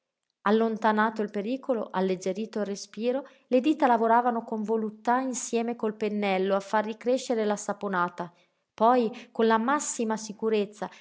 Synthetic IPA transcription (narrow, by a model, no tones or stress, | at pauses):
alːont̪anaːt̪oilpeɾiːkoloʔalːed͡ʒːeɾiːt̪oirːespiːɾo | led̪iːt̪alavoɾaːvanokoɱvolut̪ːainsjɛːmekolpenːɛlːoafːarːikɾeʃːeɾelasaponaːt̪a | pɔjkonlamasːimasikuɾet̪sːa